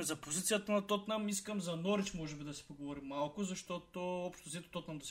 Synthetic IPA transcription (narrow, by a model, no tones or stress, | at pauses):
zɐpozit̪sijət̪ɐnɐt̪ot̪namiskəmzɐnɔɾit͡ʃmɔʒɛbid̪ɐsi̥poɡovɔɾimːalˠkʊzɐʃt̪ot̪oɔpʃt̪osɛt̪o̥t̪ɔt̪namd̪ɐs